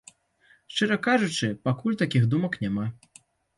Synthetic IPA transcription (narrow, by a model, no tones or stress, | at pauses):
ʂt͡ʂɛɾɐkaʐut͡ʂɨpakulʲt̪akʲiɣd̪umɐknʲama